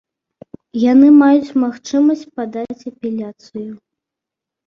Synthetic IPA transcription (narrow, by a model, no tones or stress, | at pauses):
janɨmajut͡sʲmaxt͡ʂɨmɐsʲt͡sʲpad̪at͡sʲɐpʲɛlʲat̪sɨju